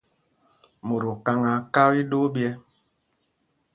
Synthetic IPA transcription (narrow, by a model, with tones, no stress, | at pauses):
mo˨ɾo˨ka˦ŋa˨ka˦wi˦ɗo˦bjɛ˦